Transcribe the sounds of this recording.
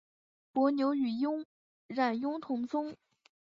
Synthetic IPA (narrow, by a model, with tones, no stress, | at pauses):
pwɔ˧˥njo˧˥ʊy˨˩jʊ˥ŋ | ɻa˥˩njʊ˥ŋt̪ʰʊ˧˥ŋt͡sʰʊ˥ŋ